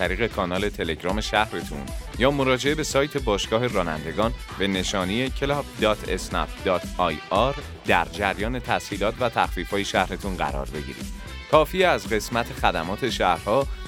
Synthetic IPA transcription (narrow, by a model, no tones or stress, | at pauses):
æɾiːɣe̞kʰɒːnɒːle̞t̪ʰe̞le̞ɟɾɒːme̞ʃæhɾet̪ʰṵnjɒːmo̞ɾɒːd͡ʒe̞e̞be̞sɒːjt̪ʰe̞bɒːʃɡ̥ɒːɦe̞rɒːnæ̰nd̪e̞ɡɒːn | be̞ne̞ʃɒːnie̞cʰe̞lɒbd̪ɒːt̪ʰesnɒ̰pd̪ɒːt̪ʰɒjɒːɾ | d̪æɾd͡ʒæɾjɒːne̞t̪ʰæshiːlɒːt̪ʰvæt̪ʰæxfiːfhɒːje̞ʃæhɾet̪ʰunɢæ̰ɾɒ̰ːɾbe̞ɟḭɾḭd̪̥ | kʰɒːfieæzɢe̞smæt̪ʰexæd̪æmɒːt̪ʰe̞ʃæhɾhɒː